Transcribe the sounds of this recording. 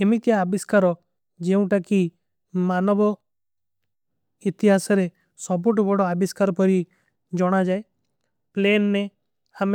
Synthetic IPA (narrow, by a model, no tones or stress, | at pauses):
emit̪jaːbɪskaɾɔ | d͡ʒeũʈaki | maːnɔbɔ | ɪt̪ɪɦaːsɔɾe | sɔboʈbɔɽɔabɪskaːɾpɔɾi | d͡ʒɔɽ̃ad͡ʒaːe | pleːnːe | ham